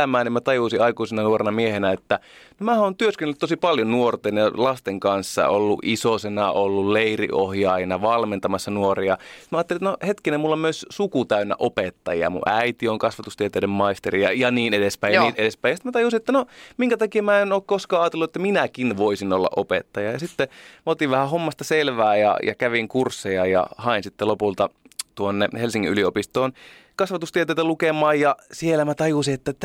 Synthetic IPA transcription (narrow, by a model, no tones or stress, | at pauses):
æmæːnimmæt̪ɑjuisiɑikuisenɑnuorenɑmiehenæet̪ːænomæːhoːnt̪yøskenːlːyt̪tosipɑljonnuort̪enjɑlɑst̪eŋkɑnsːɑ̰olːṵʔisosenɑolːulleirḭʔohjɑːjnɑʋɑlment̪ɑmɑsːɑnuoriɑst̪mæɑːt̪ːelit̪ænohet̪kinemulːomyøssukut̪æynːæ̰ʔopet̪ːɑjiɑ̰mṵʔæit̪ioŋkɑsʋɑt̪ust̪iet̪æidemmɑist̪eriɑ̰jɑniːnedespæijɑiːt̪eɾespæijɑsit̪mæt̪ɑjusiet̪ːænomiŋkæt̪ɑkiemæenoːkkoskɑːɑːt̪elːuet̪ːæminækinʋoisinolːɑ̰ʔopḛt̪ːɑjɑjɑsit̪ːemot̪iʋʋæhæhomːɑst̪ɑselʋæːjɑ̰jɑ̰kæʋiŋkursːejɑjɑ̰hɑinsit̪ːelopult̪ɑt̪uonːehelsiŋːḭʔyliopist̪oːnkɑsʋɑt̪ust̪iet̪eˑit̪ælukemɑːjjɑsielæmæt̪ɑjusiet̪ːæt̪ː